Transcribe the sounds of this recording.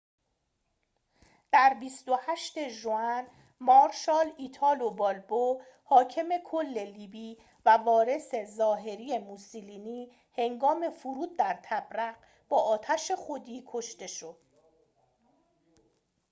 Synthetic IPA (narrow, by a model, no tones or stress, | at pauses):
d̪̥æɾbist̪o̞hæʃt̪e̞ʒuæn | mɒːɾʃɒːliːt̪ʰɒːlobɒːlbo | hɒːcʰe̞me̞kʰo̞lːe̞liːbiː | vævɒːɾe̞se̞zɒːɦe̞ɾiːe̞musiliːniː | he̞ŋɡɒːme̞fuɾuːd̪̚ːæɾt̪ʰæbɾæɢ | b̥ɒːɒːt̪ʰæʃe̞χod̪iːkʰo̞ʃt̪e̞ʃo̞d̪̥